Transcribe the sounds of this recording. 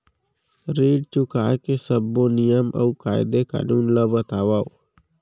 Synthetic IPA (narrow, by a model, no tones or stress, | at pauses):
ɾiːɖt͡ʃʊkaːkesəbːõnɪjəmʔə̰ukaːɪd̪eka̰ːnuːnlabət̪aːʋaːo